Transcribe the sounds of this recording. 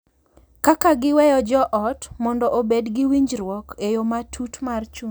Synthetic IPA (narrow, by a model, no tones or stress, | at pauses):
kakaɡɪwɛjɔd͡ʒɔʔɔtmɔndɔʔobedɡɪwiɲd͡ʒɾwɔkejomatʰutmart͡ʃu